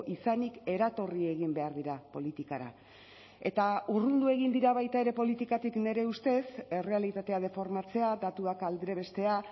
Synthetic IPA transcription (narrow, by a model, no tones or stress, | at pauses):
ʔisanike̞ɾat̪o̞rie̞ɣimbe̞aɾðiɾapo̞lit̪ikaɾa̰ | e̞t̪auruld̪ue̞ɣ̞ind̪iɾaβajt̪ae̞ɾe̞po̞lit̪ikat̪ikne̞ɾe̞ust̪e̞se̞re̞alit̪at̪e̞að̞e̞fo̞ɾmat͡se̞ad̪at̪uakald̪ɾe̞βe̞st̪e̞a